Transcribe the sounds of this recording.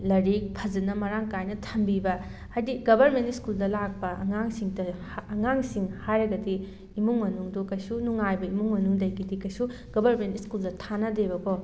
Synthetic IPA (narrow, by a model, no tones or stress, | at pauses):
lɐɾik̚pʰɐd͡ʒɐnɐmɐɾaŋkajnɐtʰɐmbibɐ | ajdiɡɐbɐɾmentiskuldɐlak̚pɐʔɐŋaŋsiŋtɐː | ŋaŋsiŋhajɾɐɡɐdiː | muŋmɐnuŋdukɐjsunuŋajbɐimuŋmɐnuŋdɐjkidikɐjsu | ɡ̥ɐbʱɐɾmentiskuldɐtʰanɐdebɐkʰo